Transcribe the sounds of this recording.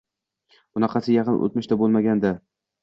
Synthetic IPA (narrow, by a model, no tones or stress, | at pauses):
bʊnɑqʰɑsɪjɑqɨnʔo̰t̪̚mɪʃt̪abolˠmaɡʲand̪a